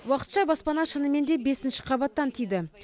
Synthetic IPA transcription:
wɑqə̥t̪ʃɑbɑspɑnɑʃənəme̞nd̪e̞be̞sɪnʃɪ̥qʰɑbɑt̪ːɑnt̪ʰijd̪ɪ

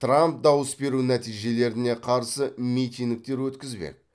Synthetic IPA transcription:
t̪ramp̚d̪ɑwəsbe̞ɾunæt̪ijʒe̞le̞ɾɪne̞qʰɑɾsəmijt̪ijŋnd̪ɪk̚t̪e̞ɾwɵt̪kʲɪzbḛ

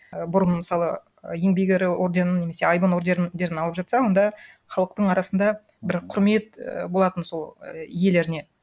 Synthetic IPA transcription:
bʊɾənməsɑlˠə | je̞ŋbejɡʲeɾɪo̞ɾd̪e̞nəneme̞se̞ɑjbənoɾd̪eɾd̪e̞ɾɪnɑlˠəpʒɑt̪sɑwo̞nd̪ɑ | χɑlˠəq̚t̪əɴɑɾɑsənd̪ɑ | bɪɾqʰʊɾme̞t̪̚bo̞lˠɑt̪ənso̞lˠije̞le̞ɾɪne̞

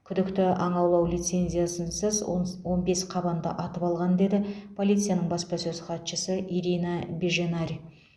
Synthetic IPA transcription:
kʲʰʏd̪ɪkt̪ɪʔɑɴɑwlˠɑwlʲit̪se̞nʲzʲijasənsəzwo̞nbe̞sqʰɑbɑnd̪ə̰ʔɑt̪əpɑlˠʁɑnd̪e̞d̪ɪpʰo̞lʲˠijt̪sɨijanəɴbɑspɑsɵzχɑt̪ʃəsəʔiɾinabeʒenaɾʲi

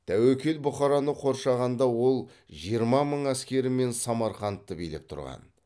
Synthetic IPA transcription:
t̪ʰæwɵkʲe̞lbʊχɑɾɑnəqʰo̞ɾʃɑʁɑnd̪ɑwo̞lˠ | ʒijəɾmɑməɴæskʲe̞ɾɪme̞nsɑmɑɾχɑnt̪ːəbijlep̚t̪ʰʊ̰ɾʁɑ̰n

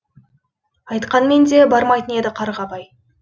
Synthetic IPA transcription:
ɑjt̪qɑnme̞nd̪e̞bɑɾmɑjt̪əne̞d̪ɪqʰɑɾʁɑbɑj

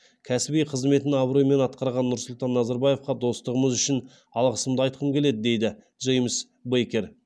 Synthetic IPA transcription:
kʲʰæsɪbijqʰəzme̞t̪ɪnɑbɾojme̞nɑt̪qɑɾʁɑnːʊɾsʊlˠt̪ɑnːɑzɑɾbɑje̞fqɑd̪o̞st̪əʁəməzʏʃɪn | ɑlˠʁəsəmd̪əɑjt̪̚qʰəmkʲe̞le̞d̪ɪd̪e̞jd̪ɪ | ʒejməs | bejkʲe̞ɾ

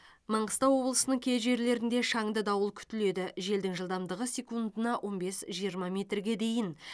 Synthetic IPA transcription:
mɑɴəst̪ɑwo̞blˠəsənəɴkʲʰe̞zʒe̞ɾle̞ɾɪnd̪e̞ʃɑŋd̪əd̪ɑwəlˠkʲʰʏ̥t̪ɪle̞d̪ɪʒe̞ld̪ɪŋʒəlˠd̪ɑmd̪əʁəsʲe̞kund̪ənɑwʔo̞nbe̞sʒijəɾmɑmʲe̞t̪rɡʲe̞d̪e̞jɪn

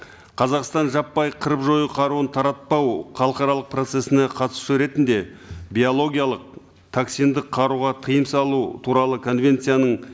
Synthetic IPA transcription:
qʰɑzɑqst̪ɑnʒɑpːɑjqʰəɾəpʒo̞jəqʰɑɾuənt̪ʰɑɾɑt̪̚pɑwχɑlˠəqɑɾɑlˠəq̚pro̞t̪se̞sɪneqʰɑt̪ə̥suɾe̞t̪ɪnd̪e̞bijo̞lˠo̞ɡʲijalˠəq̚ | t̪ʰaksijnd̪əqʰːɑɾuʁɑt̪ʰəjəmsɑlˠut̪ʰuɾɑlˠəkʰo̞nvʲe̞nt̪sɨjanəɴ

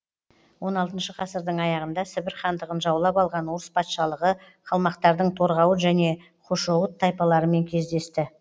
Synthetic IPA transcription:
wʔo̞nɑlˠt̪ənʃəqʰɑsəɾd̪əɴɑjɑʁənd̪ɑsɪbɪɾχɑnd̪əʁənʒɑwlˠɑpɑlˠʁɑnwoɾəspʰɑt̪ʃɑlˠəʁə | qʰɑlˠmɑqt̪ɑɾd̪əɴt̪ʰo̞ɾʁɑwəʒæne̞ | qʰoʃowət̪ʰːɑjpɑlˠɑɾəme̞ŋkʲʰe̞zd̪e̞st̪ɪ

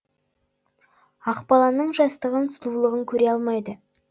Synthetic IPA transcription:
ɑqpɑlˠɑnəɴʒɑst̪əʁənst̪ˠulˠəʁəŋkʲʰɵɾe̞ɑlˠmɑjd̪ə

